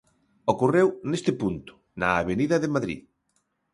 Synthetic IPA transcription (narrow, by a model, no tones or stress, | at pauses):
okurewnest̪ɪpunt̪ʊ̥ | nɐːβeniðɐðɪmaðɾḭ